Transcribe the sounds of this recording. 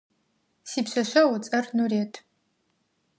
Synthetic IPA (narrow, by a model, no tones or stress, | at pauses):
siːpɕʷɐɕʷɐwt͡sʼɐrnureːtʰ